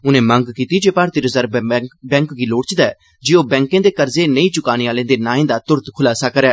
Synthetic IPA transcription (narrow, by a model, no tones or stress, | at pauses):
ʊnẽːməŋɡkiːt̪iːd͡ʒeːpaːɾt̪iːɾəzəɾbɛ̃ːŋkɡiːloːɽt͡ʃd̪aːɛː | d͡ʒeːoːbɛ̃ːŋkẽːd̪eːkəɾzeːnəĩːt͡ʃʊkaːniːaːlẽːd̪eːnaːẽːd̪aːt̪ʊɾt̪kʰʊlaːsəkəɾɛː